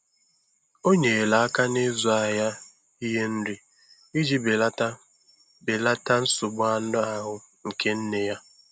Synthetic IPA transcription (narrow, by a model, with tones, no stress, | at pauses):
o˦ɲe˨la˨a˦ka˦ne˦zu˨a˨ja˦ | i˦ɦe˦n̩˦ɾi˨ | i˦d͡ʒi˦be˨la˦ | be˨la˦ta˦n̩˦sʊ˨ɡ͡bʊ˦a˨n̩˦dʊ˦a˦ɦʊ˦ | ŋ̩˨ke˦n̩˦ne˦ja˦